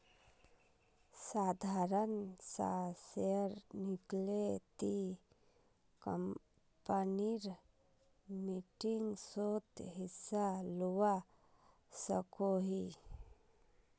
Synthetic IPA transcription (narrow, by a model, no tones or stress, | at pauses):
sad̪ʱaɾənsa̰seɾniklet̪i | kəm | pəniɾ | miʈiŋɡsot̪ɦisaluʋa | səkoɦi